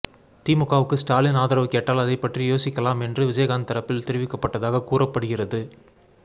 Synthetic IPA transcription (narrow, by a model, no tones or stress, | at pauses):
t̪iːmʊkːaːʋɯkːɯsʈaːlɪnaːðɐɾɐʋɯkeːʈːaːlɐðɐɪpːɐʈrijoːsɪkːɐlaːmɛndrɯʋɪd͡ʒɐjɐɣaːnt̪ɐɾɐpːɪlt̪ɛɾɪʋɪkːɐpːɐʈːɐðaːɣɐkuːrɐpːɐɽɯɣɪrɐðɯ